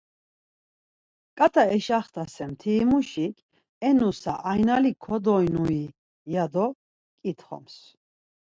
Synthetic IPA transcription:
kʼat̪ʰaɛʃaχt̪ʰasɛmt̪ʰiːmuʃikʰʼ | ɛnusa̰ʔajnalikʰɔd̪ɔjnui | jad̪ɔ | kʼit̪ʰχɔ̰ms

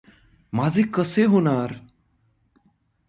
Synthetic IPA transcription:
mad͡zʱekəseɦoñaɾ

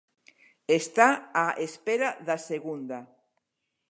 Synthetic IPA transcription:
est̪aaʔespeɾaðaseɣund̪a

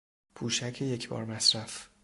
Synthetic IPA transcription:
pʰuːʃæcʰejecʰbɒ̰ːɾmæsɾæf

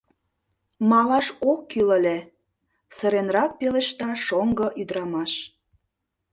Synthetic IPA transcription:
mɑlɑʃokːylə̆lʲe | sə̆ɾenrɑk̚pelĕʃt̪ɑʃoŋɡɤ̆ʔyd̪ɾɑmɑʃ

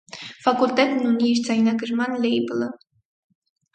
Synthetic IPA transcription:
fɑkulʲt̪ɛt̪nuniɛʃt͡sɑjnɑkəʒmɑnlʲɛjbələ

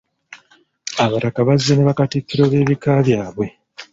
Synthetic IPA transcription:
aβatakaβazːeneβakatikːiɾo̞ːβe̞ːβikaβjaːβwe̞

